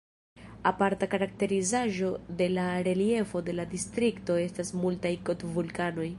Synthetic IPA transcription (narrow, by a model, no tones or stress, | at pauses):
apaɾtakaɾak̚te̞ɾizaʒo̞de̞laɾe̞lie̞fo̞de̞ladistɾikto̞e̞stasmultajko̞tvulkano̞j